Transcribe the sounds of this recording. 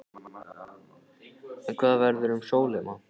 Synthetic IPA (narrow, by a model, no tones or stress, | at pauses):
ɛnkʰvaːðavɛɾðʏɾʏmsoːwlɪman